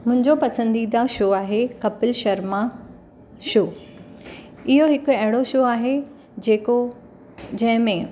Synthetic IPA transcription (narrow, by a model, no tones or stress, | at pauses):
mʊ̃ɦɪ̃ɲd͡ʑopɐsə̃nd̪id̪aʃoːaːɦekɐpɪlʃɐɾma | ʃoː | ɪɦoɦɪkʊɐɦɪɽ̃oʃoːaːɦe | d͡ʑeːko | d͡ʑɐ̃ɦɪ̃mẽ